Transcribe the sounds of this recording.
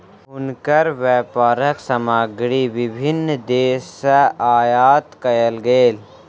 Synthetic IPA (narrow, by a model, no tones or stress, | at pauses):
ʊnkəɾʋɛːpaːɾəksɐmaːɡɽiʋɪbʱɪnd̪eːsəaːjaːt̪kɐjəlɡeːl